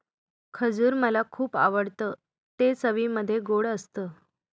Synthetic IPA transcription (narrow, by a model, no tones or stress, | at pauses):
kʰəd͡zuːɾməlakʰuːpa̰ʋəɽt̪əː | t̪esəʋiməd̪ʱːjeɡoɽəst̪əː